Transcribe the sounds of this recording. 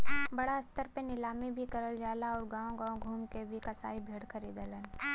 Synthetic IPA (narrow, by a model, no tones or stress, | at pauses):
bɐɽast̪əɾpenɪlaːmibʱikɐɾəld͡ʒaːlaɔːɾɡãːõɡãːõɡʱuːmkebʱikasa̰ːibʱiːɽkʰəɾiːd̪ələn